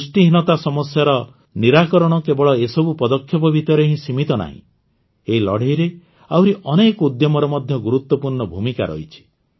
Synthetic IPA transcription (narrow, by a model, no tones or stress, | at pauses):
usʈiɦinɔt̪asɔmɔsjaɾɔ | niɾakɔɾɔɽ̃ɔkebɔɭɔesɔbupɔd̪ɔkʰːjɔpɔbʱit̪ɔɾeɦĩsimit̪ɔna̰ɦḭ̃ | eilɔɽejɾe | awɾiʔɔnekud̪jɔmɔɾɔmɔd̪ʱjɔɡuɾut̪wɔpuɾɳɔbʱumikaɾɔ̰ɦit͡ʃʰi̥